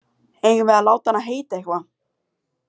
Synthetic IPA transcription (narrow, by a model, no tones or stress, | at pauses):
evɛlawt̪anaɦejt̪ɛhva